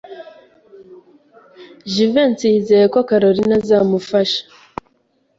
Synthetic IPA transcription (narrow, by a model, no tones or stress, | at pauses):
ʒivent͡siizejekwokaɾoɾinazaːmufaʃḁ